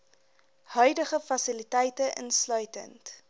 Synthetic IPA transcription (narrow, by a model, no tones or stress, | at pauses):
hœɥdəχəfɐsilitɛjtəʔə̰nslœɥtə̰nt